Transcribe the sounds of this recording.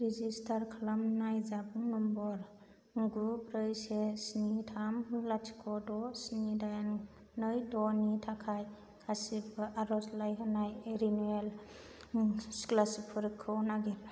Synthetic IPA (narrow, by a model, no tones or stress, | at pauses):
ɾizistʰaɾkʰlamnajzabuŋnɔmbɔɾ | ɡubɾɯjsesnitʰamlatʰi̥kʰɔdɔsnidajan | nɯjdɔnitʰakʰaj | kʰasibaʔaɾɔslajɦɯnajeɾinuel | sklasipʰɯɾkʰːɯwnaɡil